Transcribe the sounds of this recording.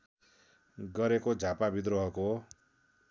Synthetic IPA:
ɡʌɾekod͡zʱapabid̪ɾoɦʌko

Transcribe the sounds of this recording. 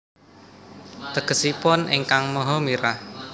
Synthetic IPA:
t̪əkə̤sipʊnʔḛŋkaŋməɦɔmiɾa

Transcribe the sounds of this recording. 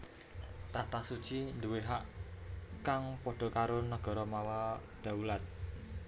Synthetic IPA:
t̪at̪asu̥t͡ʃind̪uweɦaʔ | kaŋpɔɖ̥ɔ̤kaɾonəɡ̥ɔ̤ɾɔmawaɖ̪̥a̤ulat̪̚

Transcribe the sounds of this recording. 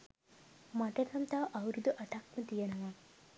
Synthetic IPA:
mɐʈɐt̪ʰɐmt̪aːʔɐwɾud̪uʔɐʈaːkmɐt̪ijɐnɐʋa

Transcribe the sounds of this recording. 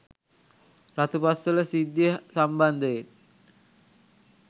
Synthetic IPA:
rat̪upasələsidiəhsamband̪əj

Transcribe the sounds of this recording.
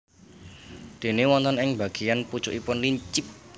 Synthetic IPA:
d̪̥e̤newɔnt̪ɔnɪŋbä̤ɡ̥ejanput͡ʃʊʔipʊnliɲt͡ʃɪp̚

